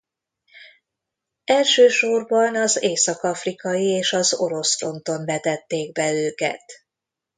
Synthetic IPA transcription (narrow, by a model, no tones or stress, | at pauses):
ɛlʃøːʃo̞rbɒnɒzeːsɒkɒfrikɒjieːʃɒzo̞̰ɾo̞sfo̞nt̪o̞nbɛt̪ɛt̪ːeːɡ̚bɛøːkɛ̰t̪